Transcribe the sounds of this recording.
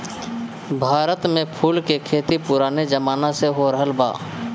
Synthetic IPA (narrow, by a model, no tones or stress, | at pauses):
bʱaːɾət̪mẽpʰuːlkekʰeːt̪ipʊɾaːned͡ʒəmaːnaseɦoɾəɦəlba̰ː